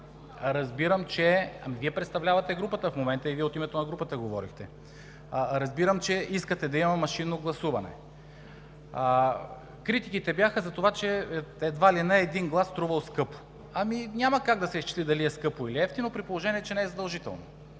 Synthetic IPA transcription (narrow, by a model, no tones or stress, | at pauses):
ɾɐzbiɾəmt͡ʃɛɐ̰miviɛpɾɛt̪st̪ɐvlʲavɐt̪ɛɡɾupət̪əfmomɛnt̪əiviɛot̪imɛt̪onɐɡɾupət̪əɡovɔɾixt̪ɛ | ɾɐzbiɾəmt͡ʃɛiskət̪ɛd̪ɐimɐmɐʃinːoɡlˠɐsuvɐnɛ̰ | kɾit̪ikit̪ɛbjaxəzɐt̪ovat͡ʃɛɛd̪valinəɛd̪inɡlˠast̪ɾuvəlˠskɤpo̥ | ɐminʲaməkaɡd̪ɐsɛist͡ʃi̥slid̪ɐliɛskɤpoiliɛft̪inopɾipolˠoʒɛniɛt͡ʃɛnɛɛzɐd̪ɐlˠʒit̪ɛ̰lˠno̰